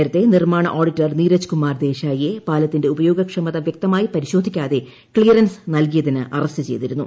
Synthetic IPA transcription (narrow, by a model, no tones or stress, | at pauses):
ɾɐt̪ːe̞nirmaːɳɐ̰ʔo̞ːɖitːɐrniːɾɐt͡ɕːu̥kumːaːrd̪e̞ːɕaːjijepaːlɐt̪ːinde̞ubɐjo̞ːɡɐkʂɐmɐðɐʋjɐk̚t̪ɐmaːjipɐɾiɕo̞ːd̪ʱikʲːaːðe̞ | kɭijɐrɐnsnɐlk̬ijɐðinɨʔɐ̰rɐstɨt͡ɕe̞̰jt̪iɾunːṵ